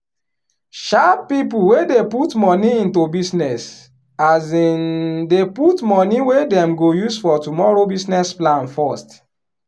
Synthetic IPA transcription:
ʃappipuwedeputmɔ̃niĩntobisnɛs | azindeputmɔniwedɛ̃mɡojuzfɔtumɔɹobisnɛsplãnfɔst

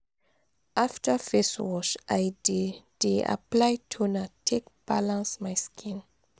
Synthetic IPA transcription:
ʔaftəfeswɔʃʔajded̥eʔa̰plajtʰonatʰekb̥alãnsmajskʰĩn

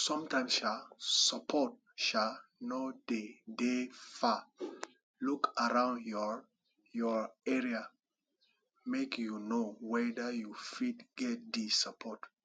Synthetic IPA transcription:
sɔ̃mtãɪ̃msʃasəpʰɔt̚ | ʃanod̥edefa | lukaɹãʊ̃ndjɔ | jɔɹɛɹia | mekʰjunowɛdəjufitɡ̥ɛt̚disapʰɔt

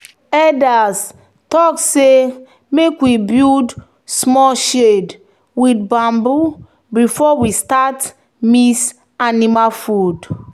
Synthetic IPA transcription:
ɛdas | tɔkse | mekwibid | smɔʃed | wid̚bãmbu | bifɔwistat | mis | animafud

